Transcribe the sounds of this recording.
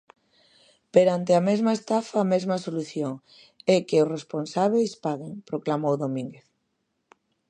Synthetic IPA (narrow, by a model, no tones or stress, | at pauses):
peɾant̪eamezmaest̪afaːmezmasoluθjoŋ | ɛkeʊsresponsaβ̞ejspaɣeŋpɾoklamowðomĩŋɡeθ